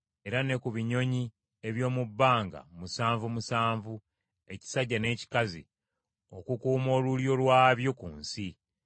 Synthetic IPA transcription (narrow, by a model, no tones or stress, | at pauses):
e̞ɾane̞kuβiɲo̞ɲi | e̞βjo̞ːmubːaːŋɡa̰musaːɱvumusaːɱvu | e̞ci̥saɟːane̞ːci̥kazḭ | o̞kukuːmo̞ːluljo̞lwaːβjo̞kuːnsi